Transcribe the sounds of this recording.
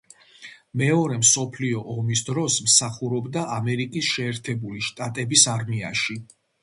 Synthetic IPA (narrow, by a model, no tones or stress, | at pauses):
mɛɔɾɛmsɔpʰliɔʔɔmisd̪ɾɔsmsaχuɾɔbd̪aʔamɛɾikʼisʃɛːɾt̪ʰɛbuliʃt̪ʼat̪ʼɛbisaɾmiaʃi